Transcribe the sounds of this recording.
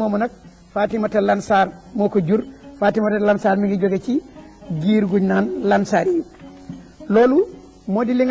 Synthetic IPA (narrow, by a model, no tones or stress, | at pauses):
ɔmɔnak̚ | faːtimatalansaɾmɔkɔd͡ʒuɾfatimatalansaɾmiŋɡid͡ʒɔɡɛt͡ʃi | ɡiːɾɡuɲnanlansaɾiju | loːlu | modiliŋɡ